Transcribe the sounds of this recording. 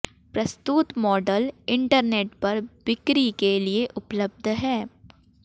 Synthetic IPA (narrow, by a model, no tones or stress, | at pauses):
pɾɐst̪ut̪mɔːɖəlɪ̃ɳʈəɾneːʈpɐɾbɪkɾikelieʔʊpləb̚d̪ʱɦɛː